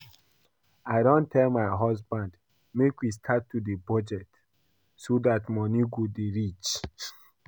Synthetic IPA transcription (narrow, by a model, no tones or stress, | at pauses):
aɪɾɔ̃ntʰɛlmaɪɦɔsbãnd | mekwistʰatːudebɔd͡ʒɛt | sodatmɔ̃nĩɡodeɹit͡ʃ